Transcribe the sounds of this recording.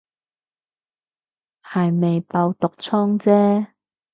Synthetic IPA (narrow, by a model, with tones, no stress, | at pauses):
hɐ˨jme˨jpɐ˧wt̪ʊ˨k̚t͡sʰɔː˥ŋt͡sɛː˥